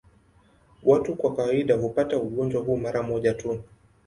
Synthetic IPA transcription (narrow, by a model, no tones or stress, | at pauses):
watukwakawaiɗaɦupatauɠɔnd͡ʒwaɦuːmaɾamɔʄatu